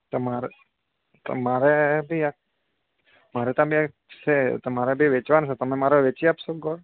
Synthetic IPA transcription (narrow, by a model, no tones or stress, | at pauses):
t̪əmaɾ | t̪ə̰maɾebʱiak | maɾɛt̪ãbʱia | set̪əmaɾebʱiʋet͡ʃʋanʃot̪əmemaɾoʋet͡ʃiapsoɡɔɾ